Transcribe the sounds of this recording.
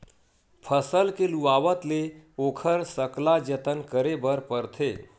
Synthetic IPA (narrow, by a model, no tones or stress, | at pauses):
pʰəsəlkeluaʋət̪leokʰəɾsəklad͡ʒət̪ənkəɾebəɾpəɾt̪ʰe